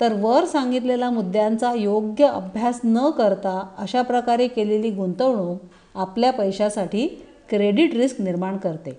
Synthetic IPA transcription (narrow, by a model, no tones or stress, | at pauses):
t̪əɾʋəɾsãŋɡit̪̬lelamud̪jant͡sajoɡjəʔə̰bʱjasnəkəɾt̪aəɕapɾəkaɾekeleliːɡunt̪əʋɳ̃uː | apljapəjɕasaʈiː | kɾeɽiʈɾiskniɾmaɳkəɾt̪e